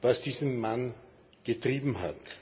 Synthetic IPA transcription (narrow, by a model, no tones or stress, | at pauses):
vasd̥iːzənman | ɡ̥ətʁ̥iːbm̩ɦa̰t